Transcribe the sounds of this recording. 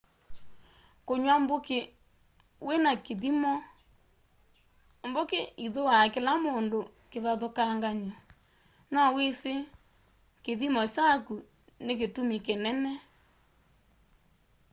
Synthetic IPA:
koɲwamboke | wenakeðimɔ | mbokeiðowakelamondokeβaðokaŋɡaɲa | nɔwese | keðimɔt͡ʃaku | nek̬etumikenɛnɛ

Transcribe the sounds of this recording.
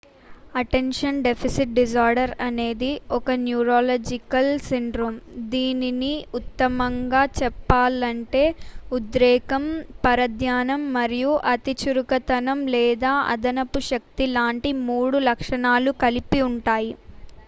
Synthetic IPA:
ɐʈenʂɐnɖe̞pʰisiʈ̚ɖis̬aːɾɖɐɾɐne̞ːd̪iɔkɐnjuːɾoːlɐːd͡ʒikɐlsiɳɖɾoːmd̪iːniniut̪ːɐmɐŋɡaːt͡ʃɛpːaːlɐɳʈe̞ːud̪ɾɛːkɐmpɐɾɐd̪ʱjaːnɐmːɐɾijuʔɐt̪it͡ʃuɾukɐt̪ɐnɐmlɛːd̪aːʔɐ̰d̪ɐnɐpuʃɐk̚t̪ilaːɳʈimuːɽulɐkʂɐɳaːlukɐlipiuɳʈaːji

